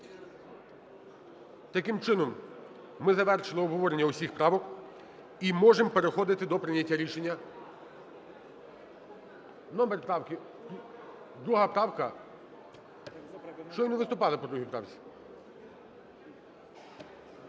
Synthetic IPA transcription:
t̪ɐkɪmt͡ʃɪnɔmː | ɪzɐʋɛrʃɪlˠɪɔbɦɔʋɔɾenʲːɐusʲixpɾɑʋɔk | imɔʒempeɾexɔd̪ɪt̪ɪd̪ɔpɾɪnʲɐtʲːaɾʲiʃenʲːɐ | nɔmeɾʲpɾɑwkɪ | d̪ɾuɦɐpɾɑwkɐ | ʃt͡ʃɔʋinɪʋɪst̪ʊpɑlˠɪpɔd̪ɾuɦʲijpɾɑwt͡sʲi̥

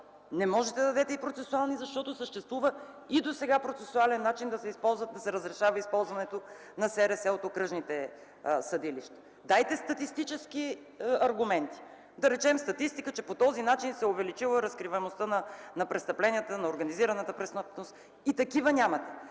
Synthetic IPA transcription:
nɛmɔʒɛt̪ɛd̪ɐd̪ɛt̪ɛipɾot̪sɛsualˠnizɐʃt̪ɔt̪osəʃt̪ɛst̪vuvə | id̪osɛɡapɾot̪sɛsʊalɛnːat͡ʃind̪ɐsɛispɔlˠzvət̪̚d̪ɐsɛɾəzɾɛʃavəispɔlˠzvɐnɛt̪o | nɐsɛɾɛsɛot̪okɾɤʒnit̪ɛ | sɐd̪iliʃt̪ɛ̥ | d̪ajt̪ɛst̪ɐt̪ist̪it͡ʃɛski | ɐɾɡʊmɛnt̪i̥ | d̪ɐɾɛt͡ʃɛmst̪ɐt̪ist̪ikət͡ʃɛpot̪ɔzinat͡ʃinsɛʊvɛlit͡ʃilˠəɾɐskɾivɛnost̪ənɐnɐpɾɛst̪ɐplɛnijət̪ənɐoɾɡɐniziɾɐnət̪əpɾɛsnəpnost̪ | it̪ɐkivənʲamɐt̪ɛ

